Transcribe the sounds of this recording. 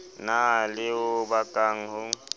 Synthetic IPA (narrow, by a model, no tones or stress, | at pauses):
nalɪʊbakʼaŋ̩hʊŋ̩